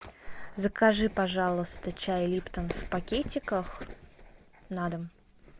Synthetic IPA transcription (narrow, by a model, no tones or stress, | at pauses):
zəkaʐɨpɐʐalˠəst̪ət͡ɕajlʲipt̪ənfpɐkʲetʲɪkəx | nad̪əm